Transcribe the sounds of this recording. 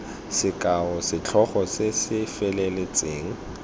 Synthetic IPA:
sɪkʼaɔsɪt͡ɬʰɔχɔsesɪfɛlelet͡sʼeːŋ̩

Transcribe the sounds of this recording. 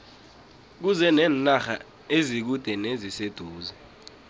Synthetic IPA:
k̬uzɛnɛːnnaxa | ezik̬ud̥ʱɛnezised̥ʱuːzɛ

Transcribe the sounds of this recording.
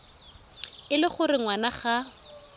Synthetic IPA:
ɪlɪχʊrɪŋwanaχa

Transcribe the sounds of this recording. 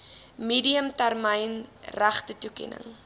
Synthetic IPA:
miːdiəmtærməjnræχtətukɛ̰nə̰ŋ

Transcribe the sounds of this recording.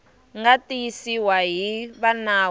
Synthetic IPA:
ŋɡatʼijisiwaɦiβana

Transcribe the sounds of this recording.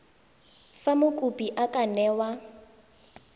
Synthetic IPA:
famʊkʼupʼiʔakʼanɛːwa

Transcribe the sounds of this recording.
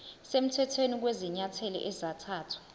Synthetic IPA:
sem̩tʰɛtʰwenik̬weziɲatʰɛlɔ̰ʔɛzatʰaːtʰu̥

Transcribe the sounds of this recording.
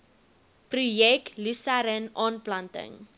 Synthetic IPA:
prujɛk̚tlusaɾənʔɔnplantə̰ŋ

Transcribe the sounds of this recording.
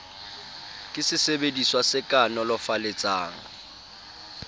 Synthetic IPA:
kʼɪsɪsebediswasɪkʼanɔlɔfaleɪt͡sʼa̰ːŋ̩

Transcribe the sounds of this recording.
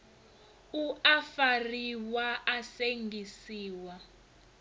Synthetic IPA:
uafariwaʔaseŋɡʱisiːwa

